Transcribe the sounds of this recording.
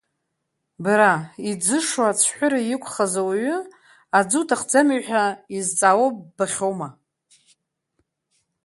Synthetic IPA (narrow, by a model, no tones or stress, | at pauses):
baɾaid͡zɨʂat͡sʷʰħʷʊɾajɪkʷʰʼχazawaɥʊ | ad͡zutʰaχd͡zamiħᶣaizt͡sʼawobaχʲowma